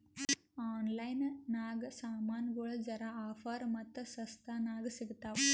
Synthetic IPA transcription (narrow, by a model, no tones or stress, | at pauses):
aːnlɐjnnaːɡɐsaːmaːnɡoɭɐd͡ʒɐɾaaːfaːɾmɐt̪ːɐsɐst̪ʰanaːɡɐsiɡt̪aːʋ